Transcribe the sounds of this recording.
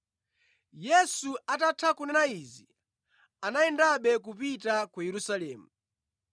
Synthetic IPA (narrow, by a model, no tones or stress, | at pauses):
jɛsuatatʰakunɛnaizi | anaɛndaɓɛk̬upitakujɛɾusalɛːmu